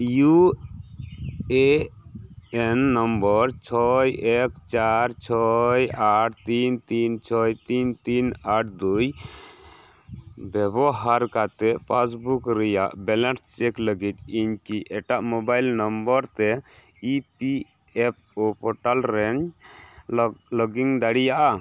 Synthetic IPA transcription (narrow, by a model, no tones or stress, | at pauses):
ju | e | enːɔmbəɾt͡ʃʰɔjekt͡ʃaɾt͡ʃʰɔjaʈʰt̪int̪int͡ʃʰɔjt̪int̪inaʈ̚ʰd̪uj | bɛbɔɦaɾkat̪ɛpas̬bukɾɛja̰ʔbɛlanst͡ʃɛkləɡit̪̚iɲkiʔɛʈaʔmobajlnɔmbəɾt̪ɛ | ipi | ɛp̚ʰopɔʈalɾɛn | lɔɡiŋd̪aɽijaʔa